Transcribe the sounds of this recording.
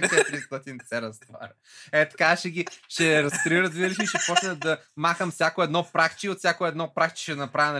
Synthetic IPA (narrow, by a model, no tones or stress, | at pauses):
t͡ʃɛt̪ɾist̪ɔt̪insɛɾɐst̪va̰ɾ | ɛt̪ɐ̥kaʃɛɡʲiʃɛɾɐst̪ɾiɾət̪vid̪liʃiiʃɛpɔt͡ʃnəd̪ɐmaxəmfsʲjakoɛd̪nɔpɾakt͡ʃiot̪fsʲakoɛd̪nɔpɾakt͡ʃi̥ʃɛnɐpɾavʲnɐ